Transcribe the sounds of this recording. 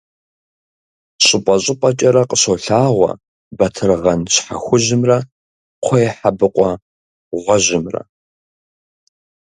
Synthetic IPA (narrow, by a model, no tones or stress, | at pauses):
ɕʼɪpʼɐɕʼɪpʼɐt͡ʃʼɐɾɐqʼəɕowɬaːʁʷɐ̰ | bɐtʰɨrʁɐnɕħa̰xʷʊʑɪmrɐ | qʷʰɔjħabɨqʷʼɔ | ʁʷɔʑɪmrɐ̰